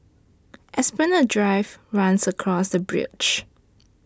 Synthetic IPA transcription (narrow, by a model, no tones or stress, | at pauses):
ʔɛsbənədɹaɪvɹãnsəkʰɹɔsdəbɹɪ̰d͡ʒ